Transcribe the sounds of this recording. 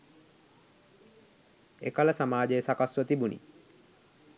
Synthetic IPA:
ekaləsamaːd͡ʒesakasɾɔt̪ibunḭ

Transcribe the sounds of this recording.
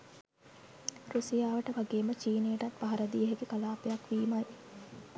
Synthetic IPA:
ɾusijaːʋəʈəʋaɡeːmət͡ʃiːneːʈat̪paɦɐɾəd̪iːəɦeɡekalaːpejakʋiːmaj

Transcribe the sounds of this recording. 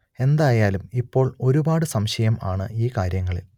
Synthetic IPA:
e̞nd̪aːjaːlumipːo̞ːɭo̞ɾubaːɽɨsɐmɕɐjɐma̰ːɳɨ̰iːkaːɾjɐŋːɐɭḭl

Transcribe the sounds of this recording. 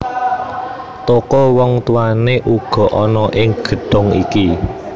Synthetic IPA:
t̪okɔwɔŋt̪uaneʔuɡ̥ɔ̤ʔɔnɔʔɪŋɡ̥ə̤ɖ̥ʊŋḭki

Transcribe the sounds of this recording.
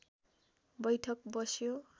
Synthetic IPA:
bʌjʈʰʌkbʌsjo

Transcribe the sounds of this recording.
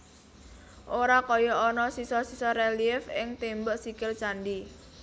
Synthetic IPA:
ʔoɾakɔjɔɔnɔsisɔsisɔɾeliɪfɪŋt̪embəʔsikɪlt͡ʃandi

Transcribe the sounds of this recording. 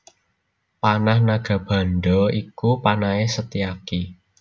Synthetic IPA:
panahnaɡ̥ä̤b̥ä̤nɖɔikupanaesət̪iaki

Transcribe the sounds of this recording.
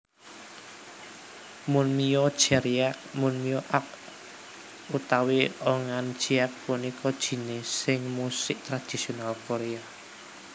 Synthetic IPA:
mʊnmijɔd̥ʒ̥ɛɾiak̚mʊnmijɔʔak̚ | ut̪aweɔŋand̥ʒ̥iak̚punikɔd̥ʒ̥i̤nesɪŋmusɪʔt̪ɾad̪̥i̤sionalkoɾea

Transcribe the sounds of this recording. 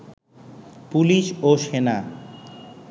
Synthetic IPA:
puliʃoʃena

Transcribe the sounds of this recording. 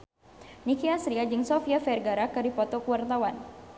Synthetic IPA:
nikiasɾiad͡ʒɨŋsɔfiafɛrɡaɾakɨɾipɔt̪ɔkuwart̪awan

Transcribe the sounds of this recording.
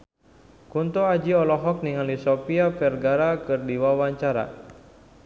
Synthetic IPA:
kunt̪oad͡ʒiɔlɔɦɔk̚niŋalisopiapɛrɡaɾakɨrdiwawaɲt͡ʃaɾa̰

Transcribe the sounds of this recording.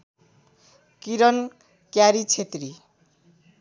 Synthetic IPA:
kiɾʌn | kjaɾit͡sʰet̪ri

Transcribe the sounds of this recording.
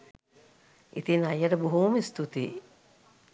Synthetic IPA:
ʔḭt̪inɐjɐʈəbuɦuːmist̪ut̪i

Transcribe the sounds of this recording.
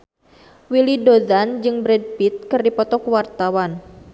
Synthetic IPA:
wilidod̪and͡ʒɨŋbɾɛd̚pit̪̚kɨrdipɔt̪ɔkwart̪awan

